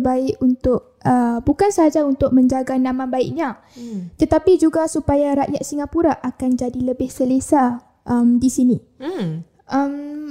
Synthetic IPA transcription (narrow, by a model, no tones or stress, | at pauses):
baɪʔunt̪ʊʔ̚ | əbukansəɦad͡ʒaunt̪ʊk̚mə̃ɲd͡ʒaɡanãmãbaɪʔ̚ɲa | t̪ət̪apid͡ʒuɡasupajaɾaʔjat̪̚siŋapuɾaʔakand͡ʒadiləbɪhsəlesa | ʔəmdisini | ʔəm